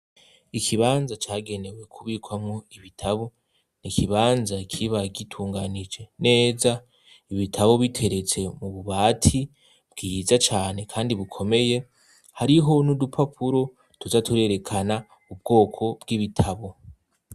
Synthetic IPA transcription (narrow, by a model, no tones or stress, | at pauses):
ikʰiβaːnzat͡ʃaːɡe̞ne̞we̞kʰuβiːkwamŋoiβitʰaβo̞ | nikʰiβaːnzakʰiβaɡitʰuːŋɡanid͡ʒe̞ne̞ːza | iβitʰaβo̞βitʰe̞ɾe̞t͡se̞muβuβaːtʰi | b̥ɡ̥izat͡ʃaːne̞kʰaːndiβukʰo̞me̞je̞ | haɾiɦo̞nudupʰapʰuɾo̞ | tuzatuɾe̞ɾe̞kʰana | ub̚ɡo̞ːkʰo̞bɡiβitʰaβo̞